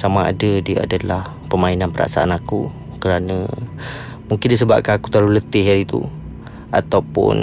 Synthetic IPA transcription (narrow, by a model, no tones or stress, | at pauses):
samaa̰dədiəa̰dalah | pəmainanpəɾa̰ʔsa̰a̰naku | kəɾanə | muŋkɪndis̬əbap̚kanaku̥t̪alulət̪ɪɦaɾit̪ṵ | a̰t̪awpʊ̰n